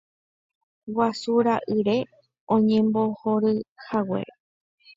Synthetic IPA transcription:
wasuɾaʔɨɾe̞ | õɲẽmbo̞hoɾɨhawe̞̰

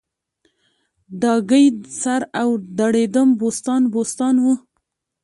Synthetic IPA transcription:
d̪ɑɡəjsaɾawd̪aɽed̪əmbost̪ɑnbost̪ɑnwu

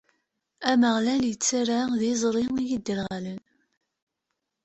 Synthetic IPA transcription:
æməʁlæljət͡sːaɾaðizˤɾˤiijid̪ːəɾʁælən

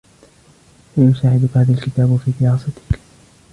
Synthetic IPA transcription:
laːjʊsaːʕɪd̪ʊkhaːðalkɪt̪aːbfiːd̪ɪɾɑːsɑt̪ɪ̥k

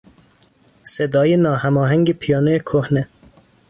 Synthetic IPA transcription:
sed̪ɒːjenɒːhæmɒːɦæŋɡepʰijɒːnojekʰohne

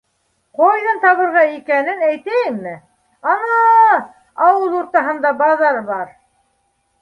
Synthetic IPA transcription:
qojðɤnt̪ɑβɤ̆ɾʁɑikænɘnæjt̪æjɘmmɘ | ɑnɑ | ɑwɤlˠuɾt̪ɑɦɤ̆nd̪ɑbɑðɑɾbɑɾ

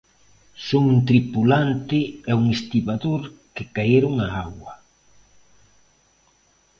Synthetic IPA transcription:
soŋunt̪ɾipulant̪ɪɛuŋest̪iβaðoɾkɪkajeɾʊŋaawwɐ

